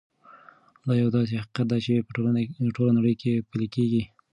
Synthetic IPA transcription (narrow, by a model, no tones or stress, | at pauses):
d̪ɑjawd̪ɑs̬ehai̥qat̪̚d̪at͡ʃe | ʈolanaɽəjkepəlekeɡi